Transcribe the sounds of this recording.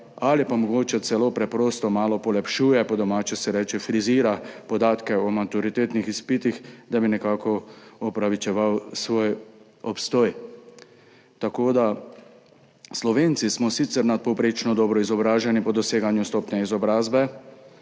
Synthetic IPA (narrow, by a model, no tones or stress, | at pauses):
alipamɔɡoːt͡ʃɛt̪sɛloːpɾɛpɾoːst̪ɔmaːlɔpɔlɛpʃuːjɛpɔd̪ɔmaːt͡ʃɛsɛɾɛːt͡ʃɛfɾiziːɾapɔd̪aːt̪kɛɔmat̪uɾit̪eːt̪nixispit̪ixd̪abinɛkaːkɔɔpɾaʋit͡ʃɛʋawsʋoːj | ɔpst̪oːj | t̪akoːd̪a | slɔʋeːnt̪sismɔsit̪sɛɾnat̪̚pɔwpɾeːt͡ʃnɔd̪ɔːbɾɔizɔbɾaːʒɛnipɔd̪ɔseːɡanjust̪ɔːpnɛizɔbɾaːzbɛ